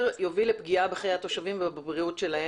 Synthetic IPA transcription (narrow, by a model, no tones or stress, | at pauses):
ʁjovilepɡiabeχajat̪o̞ʃavimvebabbʁiutʃe̞lahe